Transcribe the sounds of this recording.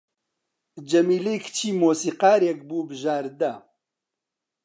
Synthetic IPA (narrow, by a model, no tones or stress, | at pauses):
d͡ʒɐmiːlekʰt͡ʃʰiːmoːsiːqaːɾek̚buːbɨʒaːɾd̪ɐ